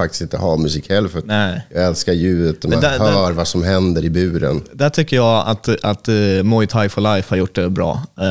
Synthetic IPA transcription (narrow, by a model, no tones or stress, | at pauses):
fak̪̚ɪ̥st̪ɪnt̪ə̰ɦamɵsiːkhɛlːfnɛɪjaɡɛlskaɾjʉ̟ːd̪ət̪̚d̪ɔmd̪æhœːɾvasɔmɦɛnd̪əɾɪbʉ̟ːɾə̰nd̪æʈʰʏkːəjɑa̰t̪at̪mɔjt̪ʰajfɔlajfhaɾjʊʈ̚ːd̪ɛbɾɑ̰ː